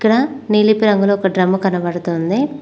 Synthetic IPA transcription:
ikːɐɽɐ | niːlipiɾɐŋɡuloːkɐɖɾɐmːɐkɐnɐpɐɽut̪oːnd̪i

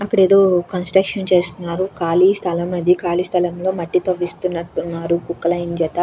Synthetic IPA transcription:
ɐkːɐɽeːd̪o̞ːkɐnsʈɾɐkʂɐnt͡ʃe̞ːst̪unːaːɾukaːlist̪ʰɐlɐmɐd̪ikaːlist̪ʰɐlɐmlo̞ːmɐʈːit̪oʋːist̪unːɐʈːunːaːɾukukːɐlɐjind͡ʒɛt̪ɐ

